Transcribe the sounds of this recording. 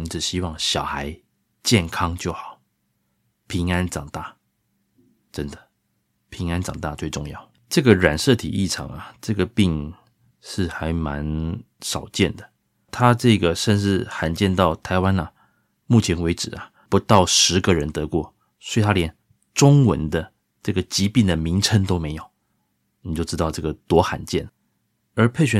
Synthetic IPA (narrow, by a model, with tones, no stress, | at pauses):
i˥ʈ͡ʂ̩˨˩ɕi˥wɑ˥˩ŋɕjɑ˨˩ʊxa˧˦ɪ | t͡ɕjɛ˥˨nkʰɑ˥ŋt͡ɕjo˥˩ʊxɑ˨˩˦ʊ | pʰi˧˥ŋa˦nʈ͡ʂɑ˨˩ŋt̪a˥˩ | ʈ͡ʂə˦˥nd̪ə˨ | pʰi˧˥ŋa˦nʈ͡ʂɑ˨˩ŋt̪a̰˥˧t͡swe˥˧ɪʈ͡ʂʊ˥˧ŋjɑ˥˩ʊ | ʈ͡ʂɤ˥˩ɡə˩ɻa˨˩nʂɤ˥˨t̪ʰḭ˨˩ʔi˥˩ʈ͡ʂʰɑ̰˧˥ŋɐ˨ʈ͡ʂɤ˥˩ɡə˩pi˥˧ŋ | ʂɻ̩˥˩xa˧˥ɪma˧˦n | ʂɑ˨˩ʊt͡ɕjɛ˥˩nd̪ə˩ | t̪ʰa˥ʈ͡ʂɤ˥˩ɡə˩ʂə˥˧nʂɻ̩˥˩xa˨˩nt͡ɕjɛ˥˧nt̪ɑ˥˩ʊt̪ʰa˧˥ɪwa˦˥nɐ˨ | mu˥˩t͡ɕʰjɛ˧˥nwe˧˥ɪʈ͡ʂɻ̩˨˩ɐ˨ | pu˧˥t̪ɑ˥˩ʊʂɻ̩˧˥ɡə˨ɻə˧˥nt̪ɤ˧˦kwɔ˥˩ | swɔ˧˥i˨t̪ʰa˥ljɛ˧˥n | ʈ͡ʂʊ˥ŋwə̰˧˥nd̪ə˧ | ʈ͡ʂɤ˥˩ɡə˩t͡ɕi˧˥pi˥˩ŋd̪ə˩mi˧˥ŋʈ͡ʂʰə˧˥nt̪o˥ʊme˧˥ɪjo˨˩˦ʊ | ni˨˩t͡ɕjo˥˧ʊʈ͡ʂɻ̩˥t̪ɑ˥˧ʊʈ͡ʂɤ˥˩ɡə˩t̪wɔ˧˥xa̰˨˩nt͡ɕjɛ̰˥˩n | ə˞˧˥pʰe˥˩ɪɕɥɛ˧˦